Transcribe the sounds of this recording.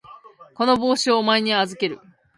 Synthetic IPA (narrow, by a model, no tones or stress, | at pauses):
ko̞no̞bo̞ːɕio̞maeɲ̟iazɨke̞ɾɯ̟̰